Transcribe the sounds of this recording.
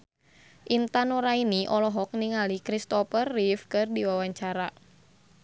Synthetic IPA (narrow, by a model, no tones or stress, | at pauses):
ʔint̪anoɾainiʔɔlɔɦɔk̚niŋalikɾist̪ɔfərːifkɨrdiwawaɲt͡ʃaɾa